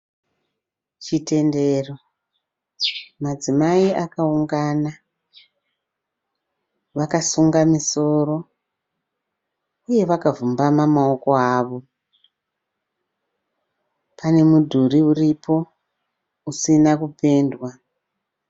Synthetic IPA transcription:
t͡ʃite̞nde̞ro̞ | mad͡zimaiʔakauŋɡana | ʋakasuŋɡamiso̞ɾo̞ | uje̞ʋakavumbamamao̞ko̞aːʋo̞ | pʰane̞mudʱuɾiuripʰo̞ | usinakupe̞ːndwa

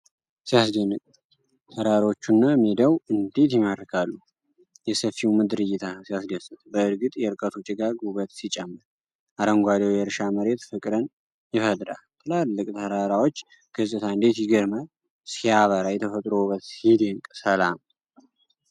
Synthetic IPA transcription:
sijasɡenːɨkʼ | t̪ʰəɾaɾot͡ʃːunːamed̪əwɨnd̪et̪jɪmad̪ɾkʰalːu | jɛsəfːimɨd̪ɨɾɨjɪt̪ʰasijasɡəsɨt̪bəɨɾɡɨt̪ʼjɛɨɾkʼət̪ʰut͡ʃʼɪɡaɡuβət̪sit͡ʃʼɛmːɨɾ | ʔaɾəŋɡʷad̪ewjɛɾʃaməɾe̞t̪fɨkʼɾən | jɪfəd̪ʼɾa̰lt̪ʰɨlalːɨkʼt̪ʰəɾaɾawot͡ʃː | ɡ̥ɨsʼɨt̪ʰaɨnd̪et̪jɪɡəɾma | sijaβəɾajɛt̪ʰəfət̪ʼɾoβət̪sid̪eŋkʼsəlam

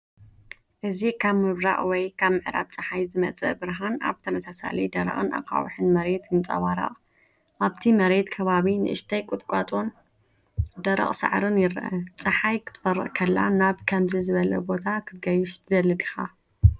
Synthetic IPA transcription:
ʔɨzikʰaβmɨβɾa̰ʔwɔjkʰaβmɨʕɾa̰βt͡sʼɨħajzɨmɐt͡sʼɐ̰bɨɾɦana̰βt̪ʰɐmɐsasa̰lid̪ɐɾɐ̰χʼɨna̰kʼa̰w̰ħɨnmɐɾe̞t̪jɨnt͡sʼɐ̰waɾa̰ʔʼ | ʔaβt̪ʰimɐɾe̞t̪kʰɐβaβinɨ̰ʔɨʃt̪ʰajkʼʊt̪ʼkʷʼat̪ʼo̞n | d̪ɐɾɐ̰χʼsa̰ʕɾɨnjɪɾʔɐt͡sʼɐħajkʰɨ̥t̪ʰfɐɾɨ̰ʔʼkʰɐlːa̰naβkʰɐmzizɨβɐlɐ̰bo̞t̪ʰakʰɨt̪ɡɐjɪʃt̪ʰɨd̪ɐlːɨɡɨxa̰

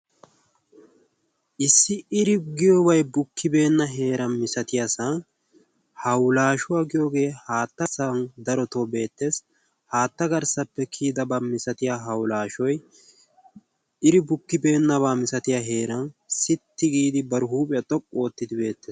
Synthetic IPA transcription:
ʔɪsːɪɪɾɪɡɪjɔbɐjbʊkːɪbe̞ːnːɐɦe̞ːɾɐnmɪsɐt̪ɪjɐsɐn | hɐwlaːʃʊwaɡɪjoːɡe̞ːhaːt̪ːɐsɐnd̪ɐɾɔt̪obe̞ːt̪ːe̞ːs | haːt̪ːɐɡɐɾsɐpːɛkʰiːd̪ɐbamɪsɐt̪ɪjaɦɐwlaːʃɔj | ɪɾɪbʊkːɪbe̞ːnːɐβaːmɪsɐt̪ɪjaɦe̞ːɾɐnsɪt̪ːɪɡiːd̪ɪbɐɾʊɦuːpʼɪjɐt̪ʼɔkʼːo̞ːt̪ːɪd̪ɪbe̞ːt̪ːeːs

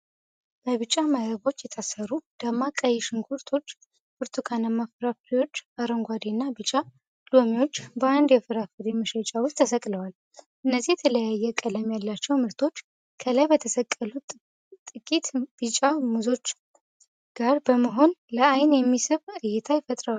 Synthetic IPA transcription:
bəβɨt͡ʃʼamadɾəɡo̞t͡ʃːjɛt̪ʰasəɾud̪̥amːakʼəjːɛʃɨŋɡʰuɾt̪ʰo̞t͡ʃː | buɾt̪ʰukʰanamːafɨɾaft̪ʰiwo̞t͡ʃːaɾəŋɡʷad̪inːabɨt͡ʃʼa | lomiwot͡ʃːbəand̪jɛfɨɾafɨɾjɛmːəʃət͡ʃʼawʊst̪ʰːəsəkʼləwal | ʔɨnːəzːihjɛt̪ʰələjajːɛkʼələmjalːat͡ʃːɛwmɨɾt̪ʰo̞t͡ʃː | kʰəlajbət̪ʰəsəkʼːəlu | t̪ʼɨkʼit̪b̥ɨt͡ʃʼamuzo̞t͡ʃː | ɡ̥aɾbəməɦo̞nləajnjɛmːisɨβɨjɪt̪ʰajɪfət̪ʼɾəwal

